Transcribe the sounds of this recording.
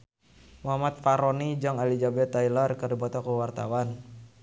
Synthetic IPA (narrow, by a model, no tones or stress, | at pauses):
muɦamat̪̚faɾonid͡ʒaŋalid͡ʒabɛt̪ːailarkədibat̪akuwart̪a̰wan